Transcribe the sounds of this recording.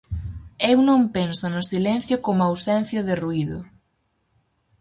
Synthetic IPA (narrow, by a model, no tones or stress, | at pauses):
ewnõmpensʊnʊsilen̟θjokomoawsɛnθjoðɪruiðʊ̰